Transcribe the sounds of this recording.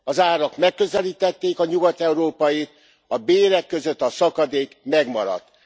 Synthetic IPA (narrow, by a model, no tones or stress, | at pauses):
ɒzaːɾɒkmɛkːøzɛliːt̪ɛt̪ːeːkɒɲuɡɒt̪ɛuɾoːpɒjit̪̚ | ɒbeːɾɛkːøzøt̪ːɒsɒkɒd̪eːkmɛɡmɒɾɒ̰t̪ː